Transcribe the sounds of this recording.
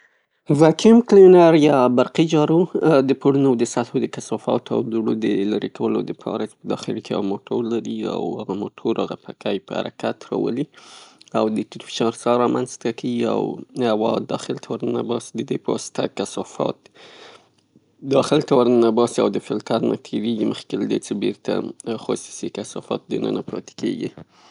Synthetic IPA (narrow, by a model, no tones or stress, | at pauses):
vakʰɪmklenaɾjɑbaɾqid͡ʒɑɾod̪əpoɽunod̪əsalhod̪əkasɑfɑ̰t̪a̰wd̪uɽod̪əlaɾekʰawəlo̰d̪əpʰɑ̰ɾat͡ʃe̥pəd̪ɑxɪlkea̰moʈʰoɾlaɾia̰whaɣamoʈʰoɾaɣapʰakajpəha̰ɾakat̪ɾɑ̰wə̰li | awd̪əʈɪɾfɪ̥ʃɑɾsɑɾɑmanzt̪akawia̰wawɑd̪ɑxɪlt̪ʰawaɾnabɑsid̪əd̪epəwɑsɪ̥t̪ʰakasɑfɑ̰t̪ | d̪ɑxɪlt̪awaɾənabɑsiawd̪əfɪlt̪ʰaɾna̰t̪ʰeɾeɡiməxkelad̪et͡sebeɾt̪a̰xosi̥sekasɑfɑ̰t̪̚d̪ənə̰napɾɑt̪e̥keɡḭ